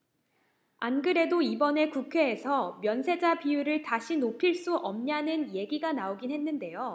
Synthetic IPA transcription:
anɡɯɾe̞doibʌne̞kukʰe̞ːsʰʌmjʌnsʰe̞d͡ʑapijuɾɯɭtaɕʰinopʰiɭs͈uʔʌmɲanɯnje̞ɡiɡanaoɡinɦe̞nːɯnde̞jo

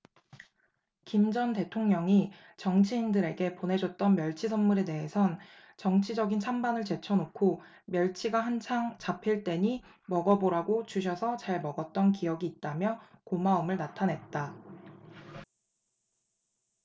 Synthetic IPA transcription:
kimd͡ʑʌnte̞tʰoŋɲʌŋi | t͡ɕʌŋt͡ɕʰiːndɯɾe̞ɡe̞ponɦe̞d͡ʑʌt̚t͈ʌnmjʌɭt͡ɕʰisʰʌnmuɾe̞de̞ɦe̞sʰʌn | t͡ɕʌŋt͡ɕʰid͡ʑʌɡint͡ɕʰambanɯɭt͡ɕe̞t͡ɕʰʌnokʰo | mjʌɭt͡ɕʰiɡaɦant͡ɕʰaŋt͡ɕapʰiɭt͈e̞ɲi | mʌɡʌboɾaɡot͡ɕuɕ̬ʰʌsʰʌt͡ɕaɭmʌɡʌt̚t͈ʌnkiʌɡiːt̚t͈amjʌkomaɯmɯɭnatʰanɦe̞t̚t͈a

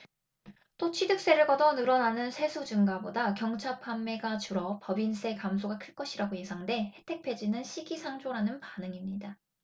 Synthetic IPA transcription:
t͈ot͡ɕʰidɯk̚s͈e̞ɾɯɭɡʌdʌnɯɾʌnanɯnsʰe̞sʰud͡ʑɯŋɡabodakjʌŋt͡ɕʰapʰanme̞ɡat͡ɕuɾʌpʌbins͈ʰe̞kamsʰoɡakʰɯɭk͈ʌɕʰiɾaɡoje̞sʰaŋde̞he̞tʰe̞k̚pʰe̞d͡ʑinɯnɕʰiɡisʰaŋd͡ʑoɾanɯnpanɯŋimɲida

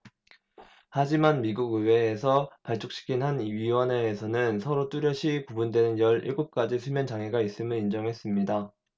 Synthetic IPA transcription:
had͡ʑimanmiɡuɡɯwe̞ːsʰʌpaɭt͡ɕ͈ʰok̚ɕ͈i̥kʰinhanɥiwʌne̞ːsʰʌnɯnsʰʌɾot͈uɾjʌɕʰipubundwe̞nɯnjʌɾḭɭɡop̚k͈ad͡ʑisʰumjʌnt͡ɕaŋɦeɡais͈ɯmɯɾind͡ʑʌŋɦe̞s͈ɯmɲida

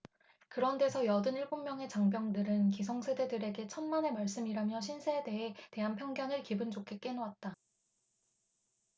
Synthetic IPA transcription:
kɯɾʌnde̞sʰʌjʌdɯniɭbummjʌŋe̞t͡ɕaŋbjʌŋdɯɾɯnkisʰʌŋsʰe̞de̞dɯɾe̞ɡe̞t͡ɕʰʌnmane̞maɭs͈ɯmiɾamjʌɕ̬ʰinsʰede̞ɦete̞ɦanpʰjʌŋɡjʌnɯɭkibɯnd͡ʑokʰe̞k͈e̞nowat̚t͈a

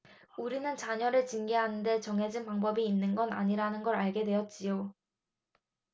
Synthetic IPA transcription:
uɾinɯnt͡ɕaɲʌɾɯɭt͡ɕinɡiɦanɯnde̞t͡ɕʌŋɦe̞d͡ʑinpaŋbʌbiːnːɯnɡʌna̰ɲiɾanɯnɡʌɾaɭɡe̞dwe̞jʌt̚t͡ɕ͈ijo

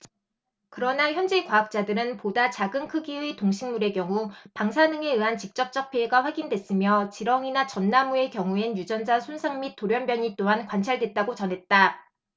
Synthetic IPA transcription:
kɯɾʌnaçjʌnd͡ʑe̞kwaɦak̚t͡ɕ͈adɯɾɯnpodat͡ɕaɡɯnkʰɯɡiwetoŋɕʰiŋmuɾe̞kjʌŋupaŋsʰanɯŋe̞ɯɦant͡ɕik̚t͡ɕ͈ʌp̚t͡ɕ͈ʌk̚pʰeːɡaɸwaɡindwe̞s͈ɯmjʌt͡ɕiɾʌŋinat͡ɕʌnːamue̞kjʌŋuenjud͡ʑʌnd͡ʑasʰunsʰaŋmit̚t͈oɾjʌnbjʌɲit͈oɦankwant͡ɕʰaɭdwe̞t̚t͈aɡot͡ɕʌnɦe̞t̚t͈a

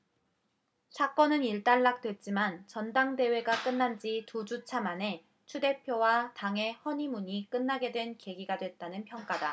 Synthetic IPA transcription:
sʰak͈ʌnɯniɭt͈aɭːak̚t͈we̞t̚t͡ɕ͈imant͡ɕʌndaŋde̞we̞ɡak͈ɯnːand͡ʑitud͡ʑut͡ɕʰamane̞ | t͡ɕʰude̞pʰjowataŋɦe̞hʌɲimuɲik͈ɯnːaɡe̞dwe̞nke̞ɡiɡadwe̞t̚t͈anɯnpʰjʌŋk͈ada

